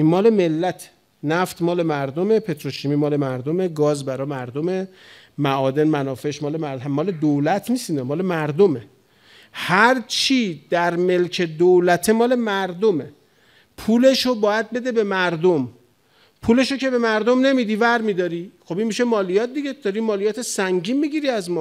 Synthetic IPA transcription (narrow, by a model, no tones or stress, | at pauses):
inmɒːle̞melːæt̪ʰe | næft̪mɒːle̞mæɾd̪ome̞pʰe̞t̪ɾoʃimiːmɒːle̞mæɾd̪ome̞ɡɒːzbæɾɒːmæɾd̪ome | mæʔɒːd̪e̞nmænɒːfeʃmɒːlemæmɒːle̞d̪olæt̪ʰniːsinɒmɒːle̞mæɾd̪ome̞ | hæɾt͡ʃʰiːd̪̥æɾme̞lcʰe̞d̪olæt̪ʰemɒːle̞mæɾd̪ome | pʰuːle̞ʃobɒːjæd̪̚be̞d̪e̞be̞mæɾd̪om | pʰuːle̞ʃocʰe̞be̞mæɾd̪omne̞miːd̪iːvæɾmid̪ɒːɾixobinmiʃemɒːlijɒːt̪̚d̪iɡed̪̥ɒɾimɒːlijɒːt̪ʰesæŋɟiːnmiɟiɾiæzmɒː